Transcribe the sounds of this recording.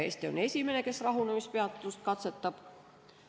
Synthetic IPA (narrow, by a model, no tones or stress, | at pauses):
ḛst̪eo̰nesimenekesrɑhuˑnemispeɑt̪ːt̪ːust̪kɑt̪set̪ːɑp